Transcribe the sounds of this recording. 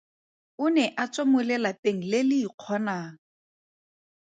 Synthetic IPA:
ʊnɛʔat͡sʼomʊlɛlateŋ̩lɪlɪːq͡χʰɔnaːŋ̩

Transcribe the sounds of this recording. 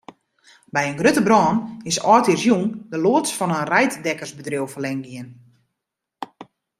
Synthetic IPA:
bɛjənɡrøtəbrɔːnɪsɔːtirsjuŋdəloətsfɔnənrɛjtdɛkərsbədriəwfərlɛŋɡiən

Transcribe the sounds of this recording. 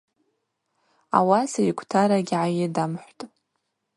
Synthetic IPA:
a̰wasaikʷʰtʰaɾaɡʲʕaɥɪdamħʷtʼ

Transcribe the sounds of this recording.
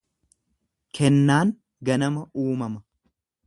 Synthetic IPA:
kʰɛnːaːŋ | ɡɐnɐmɐuːmɐmɐ

